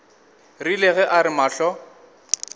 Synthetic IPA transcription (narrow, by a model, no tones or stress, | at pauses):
rilɛɣɛʔaɾɪmaːɬɔ